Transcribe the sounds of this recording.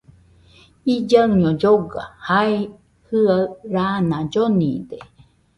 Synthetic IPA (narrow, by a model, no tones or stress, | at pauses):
id͡ʒaɲod͡ʒoɡa̰hae | hɨaɾanãd͡ʒonḭd̪e